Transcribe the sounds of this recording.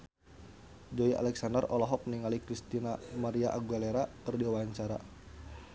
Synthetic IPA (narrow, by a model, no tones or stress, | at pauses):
d͡ʒoia̰lɛksandərʔɔlɔɦɔk̚niŋalikɾist̪inamaɾiaʔaɡualeɾakərdiwaɲt͡ʃaɾa